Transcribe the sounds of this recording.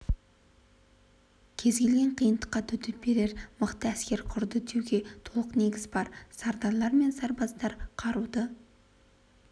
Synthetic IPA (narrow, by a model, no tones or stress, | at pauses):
kʲʰe̞zɡʲe̞lɡʲe̞ɴqʰijənd̪əqːɑt̪ʰʏd̪ɪp̚be̞ɾe̞ɾmʊqt̪əæskʲe̞ɾqʰʊɾd̪əd̪ʰewɡʲe̞t̪ʰo̞lˠəqne̞ɡʲɪzbɑɾsɑɾd̪ɑlˠɑɾme̞nsɑɾbɑzt̪ɑɾqʰɑɾud̪ə